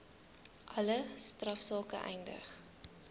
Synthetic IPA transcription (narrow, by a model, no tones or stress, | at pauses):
ʔɐləstrɐfsɑːkəʔɛjndə̰χ